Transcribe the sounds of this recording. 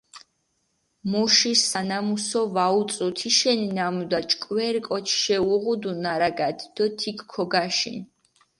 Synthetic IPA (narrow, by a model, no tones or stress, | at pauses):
muʃisanamusɔvaut̪sʼut̪ʰiʃɛninamud̪at͡ʃʼkʼwɛɾkʼɔt͡ʃʰʃɛuʁud̪unaɾaɡad̪ʰd̪̥ɔt̪ʰikʰkʰːɔɡaʃḭn